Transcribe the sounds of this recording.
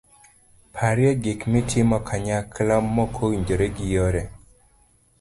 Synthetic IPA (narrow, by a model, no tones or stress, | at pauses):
pʰaɾjɛɡɪkmitʰɪmɔkʰaɲaklɔmːɔkʰowiɲd͡ʒoɾeɡɪjɔɾɛ